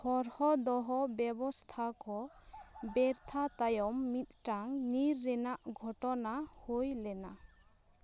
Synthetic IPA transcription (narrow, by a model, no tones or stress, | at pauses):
hɔɾhɔd̪ɔɦɔbjɛbɔst̪ʰakʰɔ | bɛɾt̪ʰat̪ajɔmːit̪̚ʈaŋniɾːɛnaʔɡʱɔʈɔnahojlɛna